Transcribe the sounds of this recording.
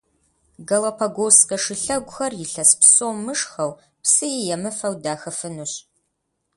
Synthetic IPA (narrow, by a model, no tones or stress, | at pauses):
ɡɐlɐpʰɐɡʷoːwsqɐʂɨɬɐɡʷʼʊxɐrjɪɬɐspsoːmɨʂxɐw | psɨjɛjɛmɨfɐwdaːxɐfɨnuɕ